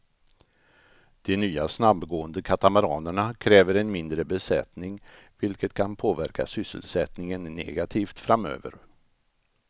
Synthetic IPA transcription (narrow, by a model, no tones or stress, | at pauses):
d̪̥ɛnyːasnabɡoːənd̪əkʰat̪amɛɾɑːnəɳakʰɾɛːvəɾɛnmɪnd̪ɾəbɛsɛt̪nɪŋvɪlkət̪kʰanpʰoːvæɾkʰa̰sʏsːə̰lsɛt̪nɪŋənːɛ̰ɡat̪ʰiːft̪fɾamø̰ːvə̰ɾ